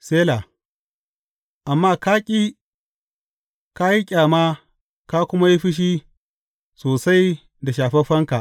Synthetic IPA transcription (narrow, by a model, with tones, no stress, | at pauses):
seː˦la˨ | ʔa˨mːaː˦ka˦kʲʼi˦ | ka˦ji˦kʲʼaː˨ma˦ | ka˦kʷʊ˦ma˦ji˦ɸɪ˦ʃ̬i˦ | soː˨sa˦j | da˨ʃaː˨ɸɛ˦ɸɐ˦ŋka˨ʔ